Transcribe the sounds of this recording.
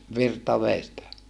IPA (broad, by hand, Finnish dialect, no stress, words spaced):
ʋirtɑ ʋeˑi stæ